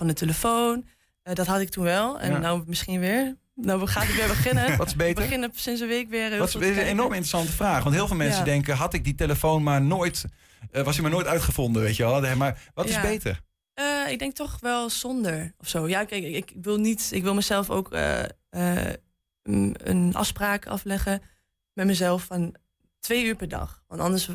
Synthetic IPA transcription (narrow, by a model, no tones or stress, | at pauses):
fɑndəteləfown | ədɑtɦɑtɪk̚tunʋɛlˠɛ̰ndamɪsχinʋɪːɹ | nawχaːɪkʋɪːɹbəχɪnəɔtɪ̥bejtbəχɪnsɪnsəʋekʋɪːrɪsənenɔɹmɪntrəsɑntəfraːχʋɑntɦɪːlˠvɪːlˠmɛnsədɛŋkəɦɑtɪk̚diteləfownmaɹnoːjt | ʋɑsimanoːjtœɥtχəfɔndəʋejtəʋɛlˠmaɹʋɑtɪzbejtə̰ɹ | əɪɡ̚dɛŋk̚tɔχʋɛlˠz̥ɔndəɹɔfsowjaːkɛɪkkʋɪlˠnitɪkʋɪlˠməzɛlˠfo̰wkʰə̰ | ə | ə̰nɑ̰fspraːkɑ̰flɛχə | mɛtməzɛlˠfːɔn | tʋejyːɹpɛɹdɑ̰χʋɑntɑndəɹs